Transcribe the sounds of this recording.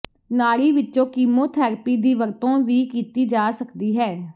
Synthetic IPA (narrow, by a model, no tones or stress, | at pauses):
naːɽiːʋɪt͡ʃːõːkiːmõːt̪ʰɛːɾpiːd̪iːʋəɾt̪õːʋiːkiːt̪iːd͡ʒaːsəkd̪iːɦɛː